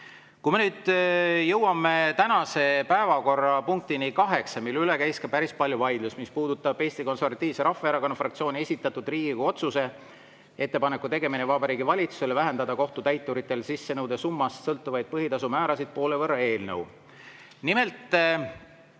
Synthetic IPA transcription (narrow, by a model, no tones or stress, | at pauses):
kujme̞nyːd̪̥jɤwɑmet̪ænɑse̞pæevɑko̞rːɑpuŋk̚t̪inikɑɦe̞ksɑmilylekæjskɑpæɾispɑlʲjuvɑjd̪̥lusmispuːd̪ut̪ːˑɑb̥eːsʲt̪iko̞nsorvɑt̪ːˑiːvseɾɑfːeeɾɑkonɑfrɑk̚t̪sio̞ːnʲiesʲit̪ːˑɑt̪ːud̪riːɡ̥ikɑo̞t̪suse̞ | e̞t̪ːe̞pɑne̞kːˑut̪e̞ɡe̞minevɑbɑɾiːɡivɑlʲit̪suse̞lvæɦe̞nd̪ɑd̪ɑko̞ht̪ut̪æjt̪ːˑuɾit̪ːˑe̞lsisːe̞nɤwd̪e̞sumːɑssɤlt̪ːˑuvɑjd̪̥̚pɤɦit̪ɑsumæːɾɑsid̪̥̚po̞ːlevɤrɑe̞ːlnəw | nime̞lt̪ˑ